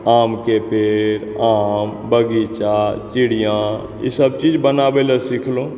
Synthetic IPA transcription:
aːmkepeːɾaːmbəɡit͡ʃat͡ʃɪɽijã | jḭsəbt͡ʃiːd͡ʒbənaːbeləsikʰlõː

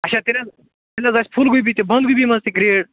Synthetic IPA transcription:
ɐt͡ʃʰaːt̪inɐz | t̪inɐzɐsʲpʰulɡujbit̪ebɐnd̪̚ɡujbimɐst̪iɡɾeːɽ

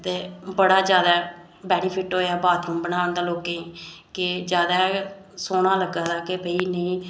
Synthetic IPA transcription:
t̪eːbəɽaːd͡ʒjaːd̪aː | bɛːniːpʰɪʈɦoːaːbaːt̪ũːbənaːʋənd̪aːloːkeːkɪd͡ʒjaːd̪aː | soːɽaːləɡaːd̪aːkebʱəiːnəĩː

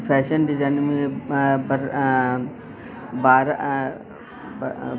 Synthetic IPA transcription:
fʰɛːʃənɖɪzaːnmẽbɐɾ | baːɾ

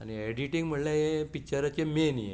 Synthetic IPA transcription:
a̰nieɽiʈiŋɡm̤əɳlaɦepik̚t͡ɕəɾat͡ɕemenjḛ

